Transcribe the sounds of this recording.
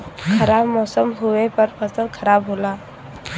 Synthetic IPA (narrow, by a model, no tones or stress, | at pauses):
kʰəɾabmɔsəmɦuʋepəɾpəsənkʰəɾabɦola